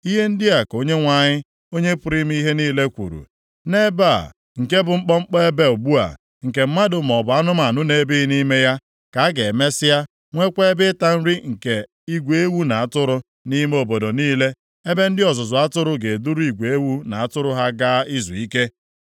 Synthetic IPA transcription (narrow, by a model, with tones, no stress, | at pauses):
i˦ɦe˦n̩˦dɪ˦a˨ko˦ɲe˦ŋʷa˨ɲɪ˦ | o˦ɲe˦pʊ˦ɾi˦m˦ɦe˦niː˦le˦kʷṵ˨ɾṵ˨ | ne˦ba˦˨ | ŋ̩˨ke˦bʊ˨ŋ͡m̩˦k͡pɔ˦ŋ͡m̩˦k͡pɔ˦e˦be˦ʊ˨ɡ͡bu˦a̰˨ | ŋ̩˨ke˨m̩˦ma˦dʊ˨m̩˨ɔ˨bʊ˨a˦nʊ˦m˦a˨nʊ˦ne˨˦bi˦ni˦me˦ja˦ | ka˨a˦ɡe˨e˨me˦sɪ˦a˦ | ŋʷe˦kʷe˦bɪ˦ta˦n̩˦ɾi˦ŋ̩˨ke˨ | i˦ɡʷe˦wu˦na˨a˨tʊ˦ɾʊ˦ | ni˦m˦o˨bo˨do˨niː˦le˦ | e˦be˦n̩˦dɪ˦ɔ˨zʊ˨zʊ˨a˦tʊ˦ɾʊ˦ɡe˨e˨du˦ɾu˦i˨ɡʷe˦wu˦na˨a˨tʊ˦ɾʊ˦ɦa˦ɡa˦i˦zṵ˨i˦ke˦